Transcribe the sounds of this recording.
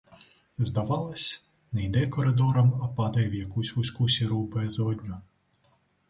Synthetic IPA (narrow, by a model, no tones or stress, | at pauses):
zd̪ɐʋɑlˠɐsʲ | nɛjd̪ɛkɔɾɪd̪ɔɾɐmɐpɑd̪ɐjɛwjɐkusʲusʲkusʲiɾubɛzɔd̪ʲnʲʊ